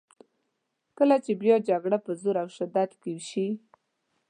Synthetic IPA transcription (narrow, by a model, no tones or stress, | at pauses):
kəlat͡ʃebjɑd͡ʒaɡɽapəzoɾawʃad̪ad̪kewʃi